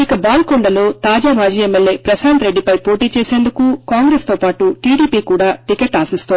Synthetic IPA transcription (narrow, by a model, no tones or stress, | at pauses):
ikɐbaːlkoɳɖɐlo̞ːt̪aːd͡ʒaːmaːd͡ʒiːemːelːe̞ːpɾɐsaːnt̪ɾe̞ɖːipɐjpo̞ːʈiːt͡ʃeːse̞ːnd̪ukukaːŋɡɾest̪o̞ːpaːʈuʈiːɽiːpiːkuːɽaːʈikeʈːaːsist̪uon